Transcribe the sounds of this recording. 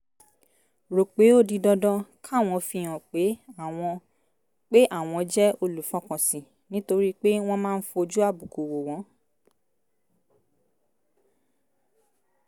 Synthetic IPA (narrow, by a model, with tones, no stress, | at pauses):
ɾo˨k͡pe˨˦o˦˨di˧dɔ˧dɔ̃˧kʰa˦˨w̃ɔ̃˧fi˧˨j̃ã˨k͡pe˨˦a˦˨w̃ɔ̃˧ | k͡pe˦ʔa˦˨w̃ɔ̃˧d͡ʒɛ˦o˧lu˨˦fɔ̃˦kɔ̃˨sĩ˨ | nĩ˦to˧ɾi˦k͡pe˦w̃ɔ̃˦˧mãː˦˧n̩˦fo˧o˧d͡ʒu˦a˦˨bu˨ko˨wo˨w̃ɔ̃˨˦